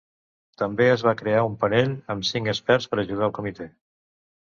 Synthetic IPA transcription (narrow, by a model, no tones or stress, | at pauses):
t̪əmbeəzβ̞akɾeaumpəneʎəmsiŋkəspɛɾspəɾəʒuð̞aəlˠkumit̪e